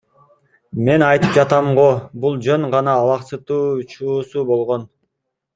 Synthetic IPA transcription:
me̞nɑjt̪ɯp̚d͡ʒɑt̪ɑmʁobulˠd͡ʒøɴʁɑnɑːlɑqsɯt̪uːut͡ʃuːsubo̞lˠʁo̞n

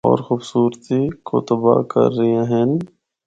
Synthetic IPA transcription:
ɔ̰ːɾxuːbsuːɾt̪ikʰot̪əba̰kə̰ɾːɪẽɦɛ̃n

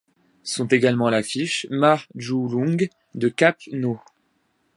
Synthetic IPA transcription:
sɔ̃t̪eɡalmɑ̃lafiʃmaʁʒulɔ̃ɡ | d̪əkapno

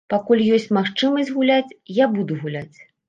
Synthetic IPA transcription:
pakulʲjɔsʲt͡sʲmaxt͡ʂɨmɐsʲd͡zʲɣulʲat͡sʲjabud̪uɣulʲat͡sʲ

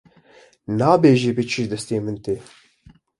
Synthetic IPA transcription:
naːbeːʒeːbet͡ʃʰɨʒd̪ɛst̪eːmɨnt̪eː

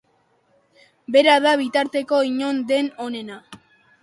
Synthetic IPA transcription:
be̞ɾaðaβit̪aɾt̪e̞ko̞iɲo̞nd̪e̞no̞ne̞na

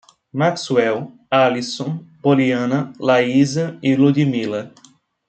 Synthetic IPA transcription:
makswɛw | alisõpoliɐ̃nɐlaizɐilud̪imilɐ

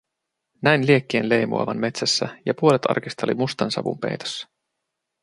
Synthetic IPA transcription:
næjnliekːeːnle̞jmṵɑ̰ʋɑnme̞t̪sæsːæjɑpuolet̪ʰɑ̰rkist̪ɑlḭmust̪ɑnsɑ̰ʋṵmpe̞̰jt̪osːɑ̥

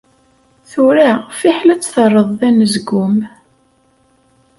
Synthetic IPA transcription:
θʊɾafiħlæt͡sːθərˤːəðˤðænəzɡʊm

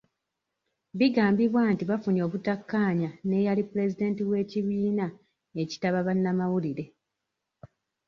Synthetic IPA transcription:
βiɡaːmbiβwaːntiβafuno̞ːβutakːaːɲane̞ːjalipule̞zide̞ːntiβwe̞ːciβiːna | e̞ci̥taβaβanːamawuliɾe̞

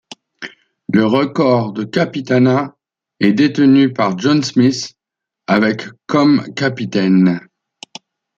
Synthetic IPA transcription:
ləʁəkɔʁd̪əkapit̪ana | ɛd̪et̪ənypaʁʒɔnsmis | avɛkkɔmkapit̪ɛn

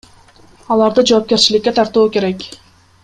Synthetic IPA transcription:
ɑlˠɑɾd̪ɯd͡ʒoːp̚kʲe̞ɾt͡ʃilɪkʲːe̞t̪ʰɑɾt̪uːkʲe̞ɾekʲ

